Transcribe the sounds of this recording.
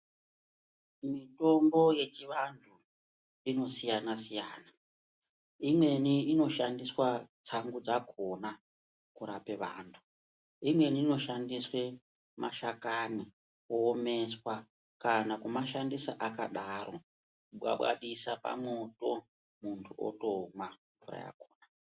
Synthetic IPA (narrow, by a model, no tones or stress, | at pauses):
mito̞mbo̞je̞t͡ʃiʋantʰu | ino̞sijanasijaːna | imwe̞niːno̞ʃandiswat͡saŋɡud͡zakʰo̞na | kuɾape̞ʋa̰ːntʰu̥ | imwe̞niːno̞ʃandiswe | ma̰ʃakani | oːme̞swa | kanakumaʃandisa̰ʔakaɗaːɾo̞ | kuɓwa̰ɓwa̰ɗisapa̰moto̞ | muntʰuo̰to̞maɱvura̰ja̰koːna